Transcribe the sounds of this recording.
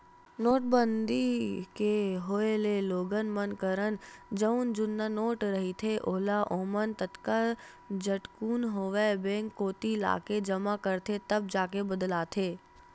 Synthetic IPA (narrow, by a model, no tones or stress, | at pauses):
noːʈbənd̪ikeɦoːeleloːɡənmənkəɾənd͡ʒəʊnd͡ʒʊnːanoːʈɾɐɦit̪ʰeʔoɦlaʔoːmənt̪ət̪ka | d͡ʒɐʈkuːnɦoːʋebẽːŋkːoːt̪ila̰ːked͡ʒɐmakəɾt̪ʰet̪ɐb̚d͡ʒaːkebɐd̪laːt̪ʰeː